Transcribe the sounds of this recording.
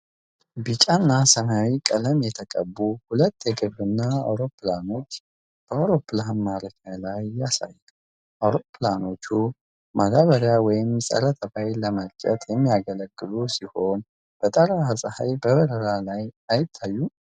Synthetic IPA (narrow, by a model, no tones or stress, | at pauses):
bit͡ʃʼanːasənawikʼələmjɛt̪ʰəkʼə̰bːuhulət̪ːjɛɡɨβɨnːaa̰wɾo̞pːlano̞t͡ʃː | b̥əawɾo̞pːlanmaɾəkʰajlajːasa̰jːɛ | ʔawɾo̞pʰːlano̞t͡ʃːu | mʔad̪aβəɾjawɔjɪmsʼə̰ɾət̪ʰəbajləməlt͡ʃʼə̰t̪jɛmːijaɡələɡːɨlusiho̞n | b̥ət̪ʼəɾaəsʼha̰jbəβəɾəɾalajajɪt̪ʰːajːu